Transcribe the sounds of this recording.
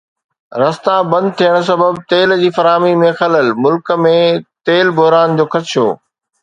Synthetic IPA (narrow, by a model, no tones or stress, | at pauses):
ɾɐst̪ãbɐ̃nd̪̚t̪ʰijəɽ̃̆s̬ɐbəb̚t̪eːld͡ʑiːfɐɾaːmimẽxɐləlmʊlkə̆mẽt̪eːlbʊɦɾaːnd͡ʑoːkʰɐt͡ɕʃjo̰ː